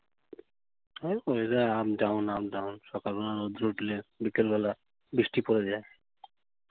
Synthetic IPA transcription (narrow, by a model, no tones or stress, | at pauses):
apoɾezajabɖawnabɖawnʃɔkalbɔnaɾod̪ɾuʈilebikelbɛla | biʃʈipoɾed͡ʑae